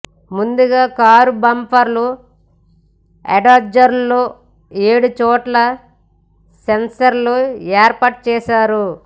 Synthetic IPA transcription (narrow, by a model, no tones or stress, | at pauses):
mund̪uɡaːkaːɾubɐmpɐɾlu | ḛɖɐd͡ʒɐɾloː | eːɽut͡ʃɔːʈlɐ | sensɐɾlueːɾpɐːʈ̚t͡ʃɛːʃaːɾu